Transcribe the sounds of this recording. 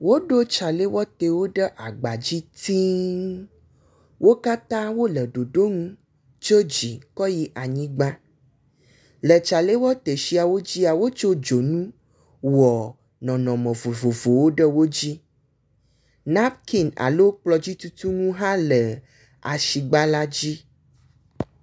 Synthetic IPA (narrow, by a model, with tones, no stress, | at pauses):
wo˦ɖo˦t͡ʃa˨le˦wɔ˦t̪e˨wo˦ɖə˦ʔa˨ɡ͡ba˨d͡ʑi˦t̪i˦ | wo˦ka˦t̪ã˦wo˦lə˨ɖo˨ɖo˦ŋũ˦ | t͡ʃo˦d͡ʑi˨kɔ˦ji˦ʔa˨ɲĩ˦ɡ͡bã˦ | lə˨t͡ʃa˨le˦wɔ˦t̪e˨ʃi˦a˨wo˦d͡ʑi˦a˨wo˦t͡ʃo˦d͡ʒo˨nũ˦ | wɔ˨ | nɔ̃˨nɔ̃˨mɛ̃˨vo˨vo˨vo˨wo˦ɖɛ˦wo˦d͡ʑi˦ | nã˦pki˦na̰˨lo˦k͡plɔ˨d͡ʑi˦t̪u˦t̪u˦ŋũ˦ɦã˦lə˨ | a˨ʃi˨ɡ͡ba˦la˦d͡ʑi˦